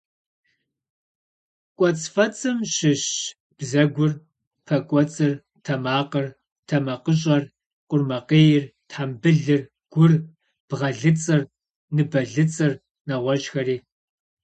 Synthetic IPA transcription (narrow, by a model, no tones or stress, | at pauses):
kʷʼɔt͡sʼfɐt͡sʼɨmɕɪɕ | b̥zɐɡʷʊr | pʰɐkʷʼɔt͡sʼɨr | tʰɐmaːqɐr | tʰɐmɐqəɕ̬ʼɐr | qʷʼʊrmɐqeːjɪrtħambɨɮɨr | ɡ̥ʷʊr | b̥ʁɐɮɨt͡sʼɨr | nɨbɐɮɨt͡sʼɨr | nɐʁʷɔʒxɐɾiː